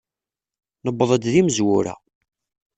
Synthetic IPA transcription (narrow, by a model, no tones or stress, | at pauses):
nəbːəðˤæd̪ðiməzwʊɾæ̰